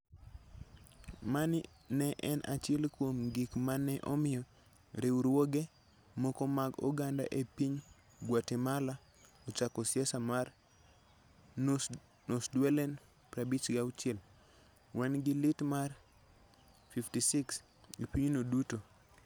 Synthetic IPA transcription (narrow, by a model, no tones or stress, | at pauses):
manɪ | nɛʔɛnʔa̰t͡ʃɛlkwomɡikmanɛʔɔ̰mɪɔ | ɾewuɾwoɡe | mokomaɡɔ̰ɡanda̰ʔepiɲ | ɡwatemala | ɔt͡ʃakɔsjɛsamar | nosdwɛlɛn | pɾabit͡ʃɡawt͡ʃɛl | wʔanɡɪlɪtmar | fiftisiks | epiɲnoduto